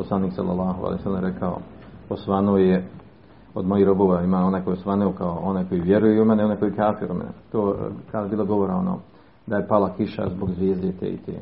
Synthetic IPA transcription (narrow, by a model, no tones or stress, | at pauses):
poslˠaniːksa̰lːa̰lːˠaːɦo̰a̰lḛjosalemɾekʰao̰ | osʋanooje | od̪mojihɾoboʋaaimaːonajkojeosʋanuokaoonajko̞jiʋjeɾujeumeneonekojikaːfiɾumenḛt̪oːkad̪ajbiːlˠaɡo̞ʋoɾao̞noː | d̪ajepalakiʃa̰zboɡzʋjeːzd̪et̪ḛḭt̪ḛ